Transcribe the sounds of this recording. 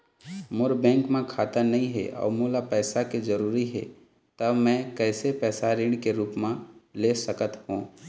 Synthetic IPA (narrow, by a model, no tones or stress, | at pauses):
mʊɾbɛ̃ːŋkmẽkʰaːt̪anɐɦĩɦɛ̰ʔɔ̰ːɾmuːlapɛːsaked͡ʒəɾuːɾiɦɛ̰ | t̪əmɛ̃ːkɛːsepɛːsaɾɪ̃ːɳɖkeɾuːpmẽleːsəkət̪ɦũː